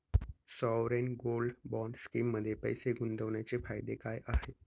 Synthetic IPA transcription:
sɔʋɾenɡolɖbɔɳɖskimːəd̪ʱːjepə̰jseɡund̪ʱəʋɳjat͡sefajd̪ekajʔaɦe

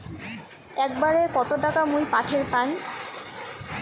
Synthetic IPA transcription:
ɛk̚baɾekɔt̪oʈakamujpaʈʰeɾpan

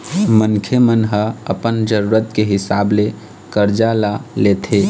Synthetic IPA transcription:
mənkʰemənɦəəpənd͡ʒəɾuːɾət̪keɦɪsaːble | kəɾd͡ʒalaleːt̪ʰeː

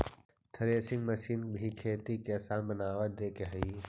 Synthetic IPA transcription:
t̪ʰɐɾeːsɪ̃ŋɡmɐʃiːnbʱikʰeːt̪ikesaːnbənaːʋət̪̚d̪eːkeɦɐi

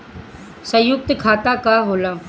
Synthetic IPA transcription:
sə̃jʊk̚t̪kʰaːt̪akaɦoːlaː

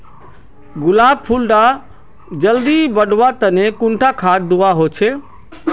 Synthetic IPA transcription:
ɡʊlaːb̚pʰulɖa | d͡ʒəld̪ibəɖʋat̪ənekʊ̃ɳʈʰakʰaːt̪̚d̪ʊʋaɦoːt͡ʃʰe

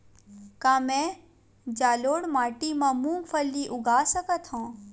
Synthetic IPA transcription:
kaːmɛ̃ | d͡ʒaːloːɽmaːʈimãmũŋpʰəlːiʔʊɡʱaːsəkət̪ɦõː

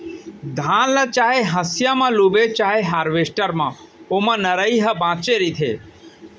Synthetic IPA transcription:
d̪ʱãːnlət͡ʃaːɦeɦəsjamãluːbet͡ʃaːɦeɦaːɾʋesʈəɾmã̰ | omãnəɾəiɦəbãːt͡ʃeɾit̪ʰḛː

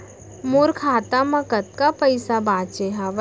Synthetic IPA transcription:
moːɾkʰaːt̪amɐkət̪̚kapɐɪsabaːt͡ʃeɦaʋ

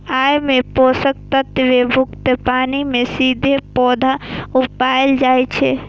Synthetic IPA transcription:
ajmeposək̚t̪ət̪əʋebʱʊkt̪əpaːnimesid̪ʱepɔd̪ʱaupaeld͡ʒajt͡ʃʰɛ

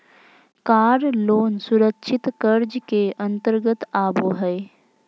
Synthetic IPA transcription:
kaːɾloːnsʊɾəkʃʰɪt̪kəɾd͡ʒkeə̃nt̪əɾɡət̪aːboːɦɛe

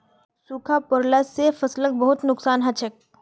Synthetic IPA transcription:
suːkʰapʊɾlaefɐslək̚bɐɦʊt̪nʊksaːnɦɐt͡ʃʰək̚

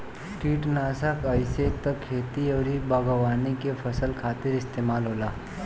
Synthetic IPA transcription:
ʈiːʈnaːsəkəɪset̪əkʰːeːt̪iəːɾibəɡəʋaːnikepʰəsəlkʰaːt̪ɪɾɪst̪eːmaːlɦolaː

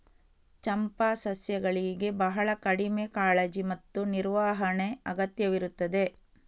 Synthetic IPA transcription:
t͡ʃɐmpasɐsjɐɡɐɭiɡe̞bɐɦɐɭɐkɐɽimekaːɭɐd͡ʒimɐt̪ːuniɾʋaːɦɐɳeɐɡɐt̪jɐʋiɾut̪ːɐd̪e̞

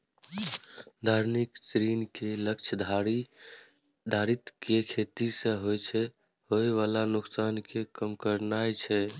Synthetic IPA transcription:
d̪ʱaɾniksɾinkeləkt͡ʃʰəd̪ʱ | d̪ʱaɾit̪kekʰet̪isẽɦojt͡ʃʰɛ | hoeʋalanuksankekəmkəɾnajt͡ʃʰɛ

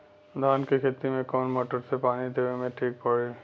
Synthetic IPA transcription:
d̪ʱaːnkikʰeːt̪imẽkɔːnmoːʈəɾsepaːnid̪eʋemẽʈʰiːk̚pɐɽe

